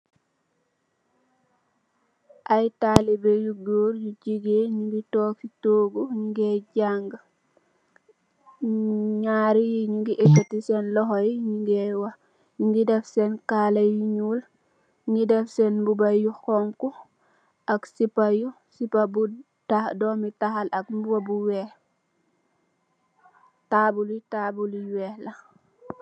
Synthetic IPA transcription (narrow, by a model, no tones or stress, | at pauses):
ʔajtalibejuk̚doːɾjuɟiɡeɲiɡitokitoːɡuɲuɡeɟaŋɡ | ɲaɾijiɲiŋɡiʔetːatisenlɔɦojiɲuŋɡewa | ɲiŋɡidefsenkalajiɲul | ɡidɛfsɛnbubajuxɔŋku | ʔaksipaju | sipabu | tadɔmitaxalak̚mbubabuwɛh | tabulitabulwɛhla